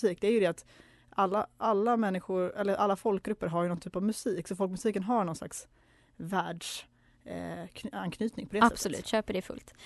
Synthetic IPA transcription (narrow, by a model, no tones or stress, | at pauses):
siːkd̪ɛæɾjɵd̪ɛat̪ | ʔalːaʔalːamɛnːɪɧʊɾɛlːəɾʔalːafɔlk̚ɡɾɵpːəɾɦaɾjɵnɔnt̪ʰyːpavmɵsiːksɔfɔlkmɵsiːkənɦaɳɔnsla̰ks | væːɖʂ | ankʰnyːt̪nɪŋpɔd̪ɛːsɛtbsɔlʉ̰ːt̪ɕøːpəɖɛfɵ̰lt̪